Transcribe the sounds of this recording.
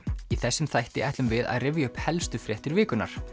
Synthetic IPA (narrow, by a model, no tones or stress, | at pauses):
iθɛsːɪmθajht̪ɪʔajht̪lʏmvɪða̰ðrɪvjaʏhphɛlst̪ʏfɾjɛht̪ɪɾvɪːkʏna̰ɾ̥